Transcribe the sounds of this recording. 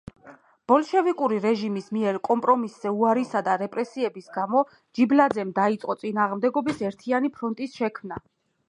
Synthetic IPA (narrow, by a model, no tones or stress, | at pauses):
b̥ɔlˠʃɛvikʼuɾiɾɛʒimismiɛɾkʼɔmpʼɾɔmisz̥ɛuaɾisad̪aɾɛpʼɾɛsiɛbisɡamɔ | d͡ʒiblad̪zɛmd̪ait̪sʼqʼɔt̪sʼinaːʁmd̪ɛɡɔbisɛɾt̪ʰianipʰɾɔnt̪ʼisʃɛkʰmna